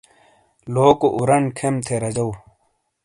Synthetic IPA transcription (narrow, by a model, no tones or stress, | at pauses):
loːkoʔuɾɐnkʰemt̪ʰeɾɐd͡ʑɐw